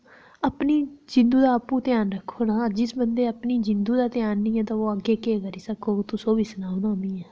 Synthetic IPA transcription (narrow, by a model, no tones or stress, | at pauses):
əpniːd͡ʒɪ̃nd̪uːd̪aːəpːũːt̪ɪjaːnɾəkʰːoːnaːd͡ʒɪsbənd̪eːəpniːd͡ʒɪnd̪uːd̪aːt̪ɪjaːnːĩːɛ̃ːt̪ãːʋoːəɡeːkeːkəɾiːsəkʰoːt̪ʊsoːbiːsənaːnãːnd̪iːɛː